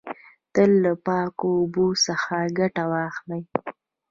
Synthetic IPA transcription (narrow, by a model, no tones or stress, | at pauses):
t̪əlːapɑkoːbosəxaɡaʈawɑxlaj